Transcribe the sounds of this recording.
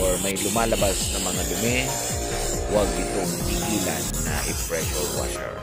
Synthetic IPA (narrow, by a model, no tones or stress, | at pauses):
oɹmɐjlʊmaːlɐbasnɐŋmɐŋalʊmɛ | waɡ̚ʔɪt̪oŋpiɡiːla̰nːɐ̰ʔɪpɹɛʃolwa̰t̪ɛ̰ɹ